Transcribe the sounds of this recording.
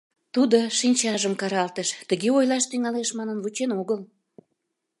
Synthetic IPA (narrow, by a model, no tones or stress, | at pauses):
t̪ud̪oʃinʲt͡ɕɑʒəmkɑɾɑlt̪eʃt̪əɣeojlɑʃt̪yŋɑleʃmɑnənvut͡ɕenoɣəl